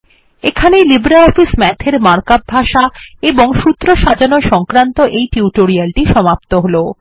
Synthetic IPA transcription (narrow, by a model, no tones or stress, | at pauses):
ekʰanelibɾaɔfismɛt̪ʰeɾmaɾkab̚bʱaʃaeboŋʃut̪ːɾoʃad͡ʑanoʃɔŋkɾant̪oʔejʈiuʈoɾialʈiʃɔmapt̪oɦolo